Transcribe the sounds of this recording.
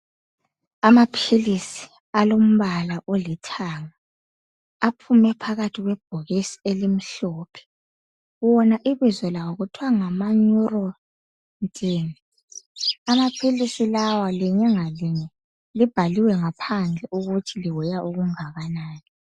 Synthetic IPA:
amapʰilisi̥ | alom̩βalaʔolitʰaŋaː | pʰumɛpʰaɣatʰiɣwɛb̥̚ʱoɣisi̥elim̩ɬɔpʰɛ̥ | wɔnaʔiβizɔlawɔɣutʰuwaŋamaɲurɔ | ntʼiːni | amapʰilisilawaliɲɛŋaliɲɛ | lib̥ʱaliwɛŋapʰand͡ɮʱɛʔuɣutʰiliwɛjaʔuɣuŋaɣanaːni

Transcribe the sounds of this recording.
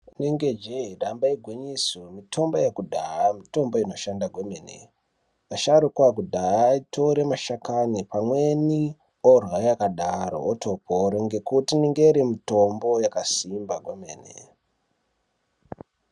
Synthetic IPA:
niŋɡed͡ʒeɗambaiɡʱweɲisomitʰo̞mbojekudʱaamito̞mbo̞ino̞ʃandaɡʱwemenḛ | aʃaɾukwak̬udʱaaitʰoɾemaʃakanipamwe̞ni | orwajakaɗaɾo̞̰ːtʰo̞poɾoŋɡe̞kutiniŋɡeɾimitombo̞jakasimbaɡʱwemeːnḛ

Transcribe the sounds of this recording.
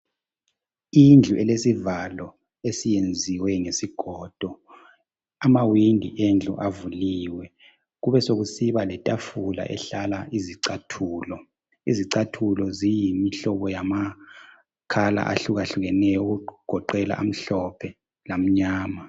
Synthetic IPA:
ind͡ɮʱuʔɛlesivalɔ | esijend͡zʱiwɛŋesiɡ̥ʱɔːd̥ʱɔ | amawindʱḭʔend͡ɮʱṵʔavuliːwɛ | ɣuβɛsoɣusiβalɛtʼafula̰ʔɛ̰ɬalaʔiziǀatʰuːlɔ | iziǀatʰulɔzijimiɬɔβɔjama | kʰala̰ʔa̰ɬuɣaɬuɣɛnɛjɔuɡ̥ʱɔǃɛla̰ʔa̰m̩ɬɔpʰɛ | lam̩ɲaːma

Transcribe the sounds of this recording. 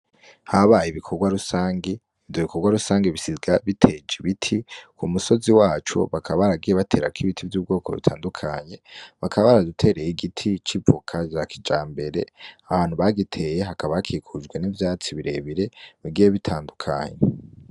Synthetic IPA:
haβajiβikʰo̞ɡwaɾusaːŋɡe | ivjoβikoɾɡwaɾusaːŋɡeβisizɡaβitʰed͡ʒiβitʰikʰumuso̞ziwaːt͡ʃo̰βakʰaβaβaɾaɡijeβatʰe̞ːɾa̰kʰiβitʰivjuːb̚ɡo̞ːkʰo̞̰βḭtʰa̰ːndukʰa̰ɲe̞βakʰaβaβaɾadutʰe̞ɾejiɡitʰit͡ʃiukʰad͡ʒaki̥d͡ʒaːmbe̞ɾe̞̰aβaːn̥uβaɡitʰe̞je̞ɦakaβaakʰiːkʰud͡ʒɡwe̞nivjaːt͡siβiɾe̞̰βiɾe̞βiɡiːje̞βitʰaːndukʰa̰ɲḛ

